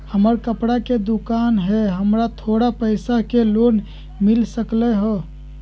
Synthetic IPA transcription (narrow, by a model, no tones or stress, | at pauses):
həməɾkəpɽaked̪ukanɦɛɦəmɾat̪ʰoɽapəɪsakelon | milsəklɛɦɔ